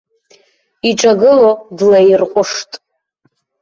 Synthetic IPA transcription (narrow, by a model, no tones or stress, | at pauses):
iʈ͡ʂʼaɡɨlodlajirqʷʼʊʂtʼ